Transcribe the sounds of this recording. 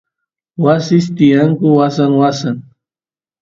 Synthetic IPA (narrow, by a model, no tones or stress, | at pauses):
wasɪst̪ɪjaŋkʊwasaŋwasaŋ